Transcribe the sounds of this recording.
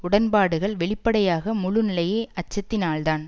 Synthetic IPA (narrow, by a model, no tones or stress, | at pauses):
ʊɽɐnpaːɽɯɣɐɭʋɛɭɪpːɐɽɐjaːɣɐmʊɻʊnɪlɐjeːʔɐt͡ʃːɐt̪ːɪnaːɭt̪aːn